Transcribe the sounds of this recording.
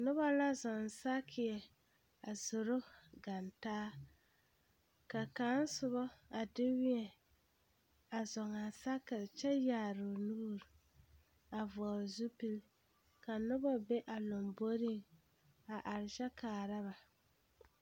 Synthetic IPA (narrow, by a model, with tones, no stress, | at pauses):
nʊ˦βɔ˦la˦zɔ˨n˨sa˦kʰɪ˨ɛ˨ | a˨zʊ˨ɾʊ˦ɡa˨ntaː˦ | ka˨ka˨˦n˦sʊ˨βɔ˦a˨dɪ˦wɪ˦ɛ˨ | a˨zɔ˨ŋa˨sa˦kɪ˨ɾt͡ʃɛ˦jaː˨ɾʊ˨nuː˦ɾ | a˨vʊ˨a˨zu˦pi˦l | ka˨nʊ˦bɔ˦be˦ʔa˨lo˨mbo˦ɾi˦ŋ | a˨ʔa˨ɾɪ˨ʃɛ˦kaː˨ɾa˦βa˨